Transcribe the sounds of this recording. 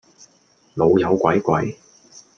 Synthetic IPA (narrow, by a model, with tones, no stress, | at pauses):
lo˨˧wjɐ˨˧wkʷɐ˨˥jkʷɐ̰˨˥j